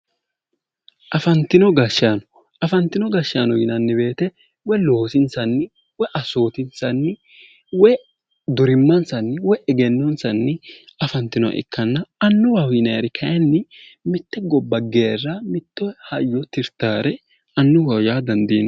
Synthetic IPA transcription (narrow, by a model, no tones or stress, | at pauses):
ʔɐfɐnt̪ɪnɔɡɐʃːaːnɔ̥ | ʔɐfɐnt̪ɪnɔɡɐʃaːnɔjɪnɐnːɪbe̞ːt̪ɛ | wɔjloːsɪnsɐnːɪ | wɔjʔɐso̞ːt̪ɪnsɐnːɪ | wɛj | d̪ʊɾɪmːɐnsɐnːɪwɔjʔɛɡɛnːɔnsɐnːɪɐfɐnt̪ɪnɔɐ̰ʔɪ̰kʰːɐnːɐɐnːʊwɐwjɪnɐjɾɪkʰɐjɐnːɪmɪt̪ːɛɡɔbːɐɡeːrːɐmɪt̪ːɔhɐjːɔt̪ɪɾt̪aːɾɛ | ɐnːʊwɐwjaːd̪ɐnd̪iːn